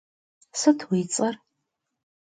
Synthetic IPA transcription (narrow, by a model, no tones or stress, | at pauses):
sɨtʰwiːt͡sʼɐr